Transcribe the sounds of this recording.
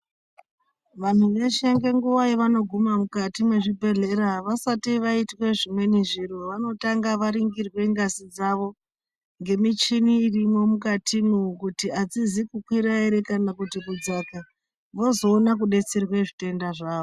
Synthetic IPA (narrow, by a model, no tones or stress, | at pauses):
ʋan̤uʋeʃaŋɡeŋɡuʋaiʋano̞ɡʱumamukatimwe̞ʐibʱe̞ɮe̞ɾaʋasatiʋaitwe̞ʐimwe̞niʐiɾo̞ʋano̞taŋɡaʋaɾiŋɡirwe̞ŋɡasid͡zaʋo̞ | ŋɡe̞mit͡ʃiniːrimwo̞mukatʰimukutiad͡zizikukwiɾaiɾe̞kanakutikud͡zaka | ʋo̞zo̞ːnakuɗe̞t͡serwe̞ʐite̞ndaʐaːʋo